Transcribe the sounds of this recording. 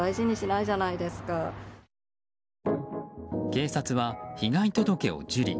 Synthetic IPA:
aiʑiɲ̟iɕinaiʑanaid̪e̞sɨ̥ka | ke̞ːsat͡sɨβaçiɡait̪o̞d̪o̞ke̞o̰d͡ʑɨɾʲḭ

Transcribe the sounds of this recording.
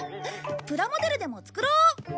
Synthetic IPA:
pɯ̟ɾamo̞d̪e̞ɾɯ̟d̪e̞mo̞t͡sɨ̥kɯ̟ɾoː

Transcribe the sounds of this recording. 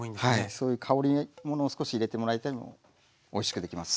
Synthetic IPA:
ĩhaiso̞ːjɯ̟ːkʰao̞ɾʲimo̞no̞ːsɨ̥ko̞ɕiːɾe̞t̪e̞mo̞ɾait̪aɾʲimo̞̰ | oiɕi̥kɯ̟d̪e̞kʲimasɨ̥

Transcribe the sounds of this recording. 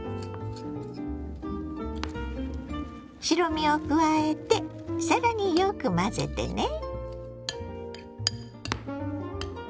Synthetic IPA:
ɕiɾo̞mʲio̞kɯ̟βae̞t̪e̞ | saɾaɲ̟ijokɯ̟maze̞̰t̪e̞̰ne̞

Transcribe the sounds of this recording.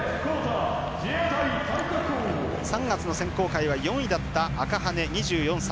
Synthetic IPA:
koːt̪a | d͡ʑeat̪ait̪ãik̪akɯ | sãŋɡat͡sɨno̞sẽ̞ŋko̞ːkaiβajõ̞ɰ̃id̪at̪ːaːkaɦane̞ɲ̟iʑɨːjõsa

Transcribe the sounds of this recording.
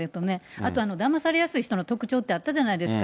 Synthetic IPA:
et̪onea̰t̪o̞ano̞d̪amasaɾe̞jasɨiçi̥t̪onot̪o̞kɯ̟̥t͡ɕo̞ːt̪ːe̞at̪ːaʑanaid̪e̞sɨ̥ka

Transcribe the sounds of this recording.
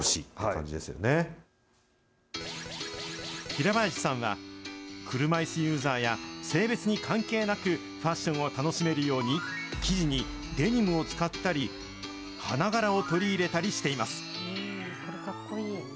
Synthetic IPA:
oɕḭːt̪kã̰ɲd͡ʑḭd̪e̞sɨjo̞̰ne | çiɾabaeɕi̥sãɰ̃βa̰kʰɯ̟ɾɯ̟maisɨjɯːzaːjase̞ːbe̞t͡sɨɲ̟ikʰãŋke̞ːnakɯ | ɸaɕːõ̞ɰ̃o̞t̪ano̞ɕime̞ɾɯ̟jo̞ːɲ̟ikʲiʑiɲ̟i | d̪e̞ɲ̟imɯ̟o̞t͡sɨ̥kat̪ːaɾʲi | hanaɡaɾao̞t̪o̞ɾʲiːɾe̞t̪aɾʲiɕi̥t̪e̞imasɨ̥ | oɾekakːoiː

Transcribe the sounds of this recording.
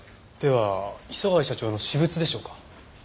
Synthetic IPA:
d̪̥e̞βaiso̞ɡaiɕat͡ɕo̞ːno̞ɕibɯ̟t͡sɨd̪e̞ɕo̞ːkḁ

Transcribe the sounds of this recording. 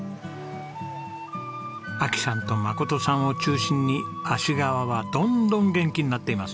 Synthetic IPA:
akʲi̥sãnt̪o̞mako̞t̪o̞sãɰ̃o̞t͡ɕɨːɕĩɲːiaɕiɡaβaβad̪õ̞nd̪õ̞ŋɡẽ̞ŋkʲiɲ̟inat̪ːe̞imasɨ̥

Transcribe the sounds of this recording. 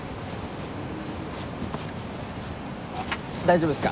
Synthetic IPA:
d̪aid͡ʑobɯesɨ̥ka̰

